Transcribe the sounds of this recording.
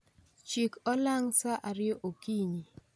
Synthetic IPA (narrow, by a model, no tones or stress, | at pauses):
t͡ʃikɔlaŋsaʔaɾɪɔʔokiɲi